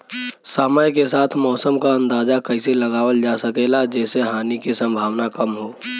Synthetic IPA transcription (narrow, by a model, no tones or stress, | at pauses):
saːmaːjkesaːt̪ʰmɔːsəmkaɐ̃nd̪aːd͡ʒakɐɪselɐɡaːʋəld͡ʒaːsəkeːlad͡ʒɛːseɦaːnikesə̃mbʱaːʋnakɐmɦoː